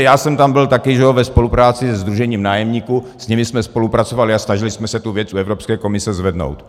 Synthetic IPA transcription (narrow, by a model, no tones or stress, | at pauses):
jaːsɛmt̪ambɪlt̪akɪʒɛovɛspo̞lupɾaːt͡sɪsɛzd̪ɾuʒɛɲiːmnaːjɛmɲiːkusɲɛmɪsmɛspo̞lupɾat͡sovalɪasnaʒɪlɪsmɛsɛt̪uvjɛt͡suɛvɾopskɛːkomɪsɛzvɛdno̰wt̪